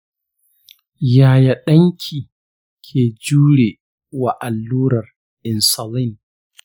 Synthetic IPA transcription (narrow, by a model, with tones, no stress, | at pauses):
jaː˨ja˨ɗɐ˦ŋkʲʰiː˨ | kʲʰeː˨d͡ʒuː˦ɽeː˨ | wa˨ʔa˨lːuː˦ɾɐ˨r | ʔɪ˨nsɐ˨lɪ˦˨n